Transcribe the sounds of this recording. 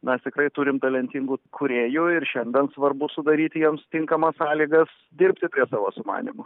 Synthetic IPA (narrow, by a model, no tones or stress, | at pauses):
mʲɛst̪ʲɪkrɐɪt̪uɾʲɪmt̪ɐlʲɛnʲt̪ʲiŋɡuːkʰʊɾʲeːjʊɪrʃʲɛnʲd̪ʲɛnsʋɐrbʊsʊd̪ɐɾʲiːt̪ʲɪjɛmst̪ʲɪŋkɐmɐssɑːlʲiːɡɐs | d̪ʲɪrʲpʲt̪ʲɪpʲɾʲiɛsɑːʋoːsʊmɑ̰ːnʲḭmʊ